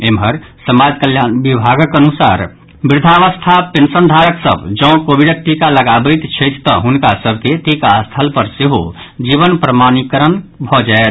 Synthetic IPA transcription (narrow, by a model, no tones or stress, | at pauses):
emɦəɾ | səmad͡ʒkəljanbibʱaɡəkənusa̰ɾ | bɾd̪ʱaʋəst̪ʰapensənd̪ʱaɾəksə̰bd͡ʒə̃ʊ̃kobʱiɖək̚ʈikaləɡabət̪t͡ʃʰəjt̪ʰt̪ɔ̰ɦunkasəb̚ʱkeʈikaəst̪ʰəlpəɾseɦo̰ | d͡ʒiβənpɾəmanikəɾənbʱɔd͡ʒaet̪ʰ